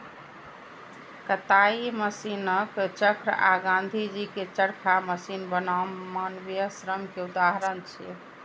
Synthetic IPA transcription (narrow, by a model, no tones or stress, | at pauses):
kət̪aiməsinəkt͡ʃəkʰɾaɡãnd̪ʱid͡ʒiket͡ʃəɽkʰaməsinbənamanbjəsɾəmkeud̪aɦɾənt͡ʃʰɛ̰